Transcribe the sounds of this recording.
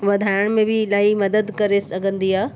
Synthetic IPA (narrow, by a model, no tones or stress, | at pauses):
ʋɐd̪ʱaːɪɽ̃mẽbʱɪːlaːɦimɐd̪əd̪kɐɾesɐɡə̃nd̪ijaː